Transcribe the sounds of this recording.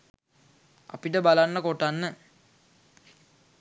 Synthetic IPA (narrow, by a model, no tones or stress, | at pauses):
a̰piʈəbalanːəkoʈanːə